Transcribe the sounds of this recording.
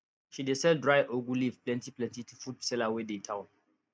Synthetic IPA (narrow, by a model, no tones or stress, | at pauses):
ʃidesɛldɹajʔoɡulivplɛ̃ntiplɛ̃ntitʰufutsɛlawedetʰãʊ̃n